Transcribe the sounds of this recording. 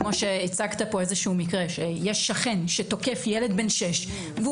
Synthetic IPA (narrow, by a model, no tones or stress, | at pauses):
moʃeːt͡saɡt̪apo̞ezeʃuumikʁeʃejeʃːaχenʃeto̞ke̞fjele̞d̪benʃeʃ | ve